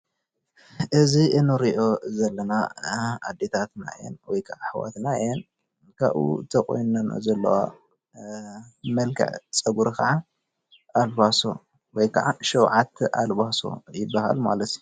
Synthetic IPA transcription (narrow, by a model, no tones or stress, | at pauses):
ʔɨziʔɨnɨɾiʔo̞zɐlːɐnaad̪ːe̞t̪ʰat̪na̰ḛnwɔjkʰaʕaħawa̰t̪naɛn | kʰa̰βṵt̪ʰɐkʼo̰jnɐna̰zɐlːɐ̰wa̰ | mɐlkʰɨ̰ʕt͡sʼɐɡuɾkɐʕa | ʔalbaso | wɔjkʰɐʕaʃɐwʕat̪ʔalbaso̞̰jɪbːaha̰lmalɐt̪